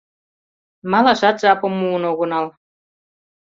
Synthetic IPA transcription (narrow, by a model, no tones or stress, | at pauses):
mɑlɑʃɑt̪ʒɑpŏmːuːnoɣŏnɑl